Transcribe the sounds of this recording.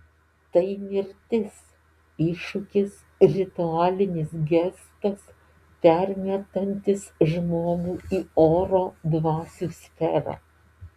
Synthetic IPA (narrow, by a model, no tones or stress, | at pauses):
t̪ɐɪmʲɪɾʲt̪ʲɪs | ɪʃʊkʲɪs | ɾʲɪt̪ʊɑːlʲɪnʲɪsɡʲɛst̪ɐs | pʲɛɾʲmʲiɛt̪ɐnʲt̪ʲɪsʒmoːɡuːiːoːɾoːd̪ʋɑːsʲuːsʲfʲɛɾɑ̰ː